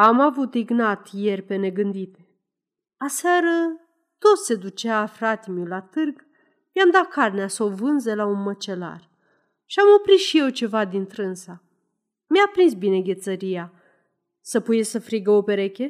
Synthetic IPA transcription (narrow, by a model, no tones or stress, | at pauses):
amavut̪iɡnat̪je̞rʲpe̞ne̞ɡɨnd̪it̪e | asaɾə | t̪o̞t̪se̞d̪ut͡ʃeafɾat̪imulat̪ɨrɡ | mjamd̪at̪̚karneasəovɨnzelaunmət͡ʃe̞la̰r | ʃiamo̞pɾit̪ʃije̞wt͡ʃe̞vad̪int̪ɾɨnsa | mjapɾinsbine̞ɡʲe̞t̪səɾija | səpujesəfɾiɡəopeɾe̞kʲe